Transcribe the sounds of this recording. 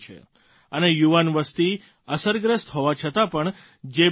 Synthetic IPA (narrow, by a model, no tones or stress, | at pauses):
t͡ʃʰḛ | ənejuʋanʋəst̪i | əsəɾɡɾəst̪ɦoʋat͡ʃʰət̪apəɳ | d͡ʒe